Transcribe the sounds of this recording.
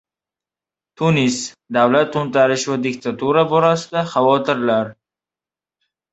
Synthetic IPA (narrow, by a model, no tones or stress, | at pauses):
t̪ʰunis | d̪awlat̪ːʊnt̪aɾɪʃvad̪ɪkt̪ʰat̪uɾabɒɾasɪd̪aχawɒt̪ɪɾlaɾ